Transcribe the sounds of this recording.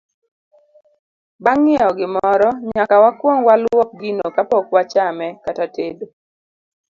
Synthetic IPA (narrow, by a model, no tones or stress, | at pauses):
baŋːɪɔɡɪmɔɾɔɲakawakwɔŋwalwɔk̚ɡinokapɔkwat͡ʃamɛkatatedo